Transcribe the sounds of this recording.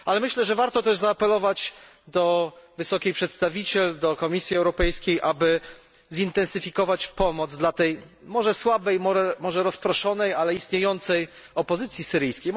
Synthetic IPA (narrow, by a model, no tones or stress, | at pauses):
alɛmɘɕlɛʐɛvaɾt̪ɔt̪ɛʐzaːpɛlɔvat͡ɕ | d̪ɔvɘsɔkʲejpʂɛt̪st̪avʲit͡ɕɛld̪ɔkɔmʲisʲjiɛwɾɔpɛjskʲejʔabɘ | zint̪ɛnsɘfʲikɔvat͡ɕpɔmɔd̪zd̪lat̪ɛj | mɔʐɛswabɛjmɔɛmɔʐɛɾɔspɾɔʂɔnɛjalɛist̪ɲejɔnt̪sɛj | ɔpɔzɘt̪sʲjisɘɾɘjskʲej